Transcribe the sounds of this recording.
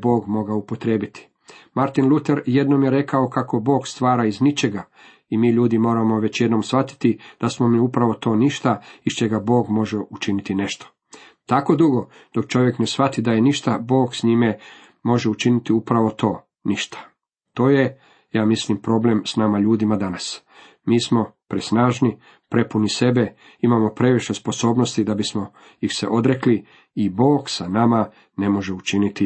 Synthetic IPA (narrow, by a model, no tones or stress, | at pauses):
bo̞ːɡmo̞ɡaupot̪ɾeːbit̪i̥ | maɾt̪inlˠut̪eɾje̞d̪no̞mjeɾe̞kao̞kako̞bo̞ːɡst̪ʋaːɾaiznit͡ʃeɡa | imiːʎuːd̪imo̞ːɾamo̞ʋe̞t͡ɕje̞d̪no̞msʋat̪i̥t̪id̪̥asmo̞miupɾaʋo̞t̪o̞ːniʃt̪aiʃt͡ʃeɡabo̞ːɡmo̞ʒeut͡ʃinit̪ine̞ʃt̪o̥ | t̪ako̞d̪uɡo̞ | d̪̥o̞kt͡ʃo̞ʋjekne̞sʋat̪id̪ajeniʃt̪abo̞ːɡsɲime | mo̞ʒeut͡ʃinit̪iupɾaʋo̞t̪o̞ː | niʃt̪ʰḁ | t̪o̞ːje̞ | jaːmislimpɾo̞ble̞msnamaʎuːd̪imad̪anas | miːsmo̞pɾisnaːʒni | pɾe̞punise̞be̞ | imamo̞pɾe̞ʋiʃe̞spo̞so̞ːbno̞st̪id̪abismo̞ | jixse̞̰ʔo̞d̪ɾe̞kli | ibo̞ːɡsanama | ne̞mo̞ʒe̞ut͡ʃinit̪i